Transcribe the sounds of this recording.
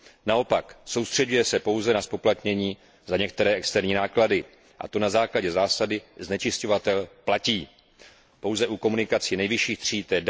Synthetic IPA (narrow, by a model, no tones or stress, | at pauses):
nao̞pakso̞wst̪r̝̥ɛɟujɛsɛpo̞wzɛnaspo̞plat̪ɲɛɲiː | zaɲɛk̚t̪ɛɾɛːɛkst̪ɛɾɲiːnaːkladɪ | ʔa̰t̪o̞nazaːklaɟɛzaːsadɪznɛt͡ʃɪsco̞vat̪ɛlplaciː | po̞wzɛʔukomunɪkat͡sinɛjvɪʃiːxt̪r̝̥iːt̪ɛːd